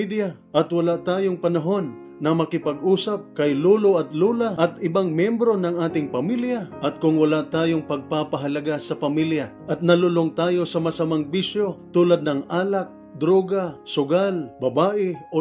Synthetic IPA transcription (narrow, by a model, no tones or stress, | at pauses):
d̪jaʔɐt̪wɐlaʔt̪aːjo̞ŋpɐnɐɦo̞nː | ɐmɐkɪpɐɡʔuːsɐp̚kɐjluːloʔɐt̪luːlaʔɐt̪ɪbaŋmjɛmbɾo̞nɐŋaːt̪ɪŋpɐmiljɐʔɐt̪̚kʊŋwɐlaʔt̪aːjo̞ŋpɐɡ̚papɐɦɐlɐɡasɐpɐmiljɐʔɐt̪̚nɐlʊloŋt̪aːjo̞sɐmɐsɐmaŋbiʃo̞t̪uːlɐd̪̚nɐŋaːlɐk̚ | d̪ɾoːɡɐsʊɡalbɐbaːʔɛʔo